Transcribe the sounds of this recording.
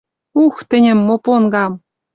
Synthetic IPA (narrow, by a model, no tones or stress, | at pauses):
uxt̪ɘ̆nʲɘ̆mːoponɡɑm